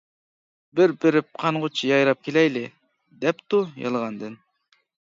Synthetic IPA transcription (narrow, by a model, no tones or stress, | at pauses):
bɪɾbɪɾɪp̚qʰɑnʁʊt͡ʃʰijɑjɾɑp̚kʲʰelɛjlɪ | d̪ɛpt̪ujɑ̰lˠʁɑnd̪ɨn